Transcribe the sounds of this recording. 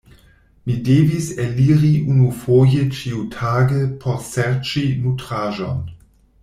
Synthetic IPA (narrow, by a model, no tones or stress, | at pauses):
mideviseliɾiʔunufojət͡ʃiutʰaːɡəpʰoɾseɾt͡ʃinutɾaːʒon